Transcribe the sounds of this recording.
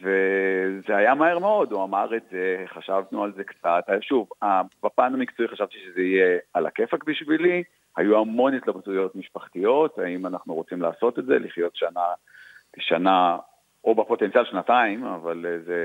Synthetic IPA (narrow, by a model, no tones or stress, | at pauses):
ve̞zeajamaheʁmeo̞duamaʁetzeχaʃavnualze̞kt͡sat̪aʃuvabapaːnamikt͡suiχaʃavt̪iʃezeijeala̰kefakbiʃvili | hajuamo̞njot̪labtujo̞tmiʃpaχt̪ijo̞thaimanaχnuʁo̞t͡simla̰ːso̞t̪e̞tzḛliχjo̞tʃanaleʃana | o̞bapo̞t̪ent͡sijalʃnataima̰valze